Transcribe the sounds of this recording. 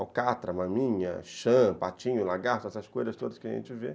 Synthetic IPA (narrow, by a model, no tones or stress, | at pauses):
awkat̪ɾɐmɐ̃mĩɲɐ̰ʃɐ̃pat͡ʃĩɲʊlaɡaht̪ɛsɐskojzɐst̪od̪ɐskɪɐʒḛ̃nt͡ʃɪve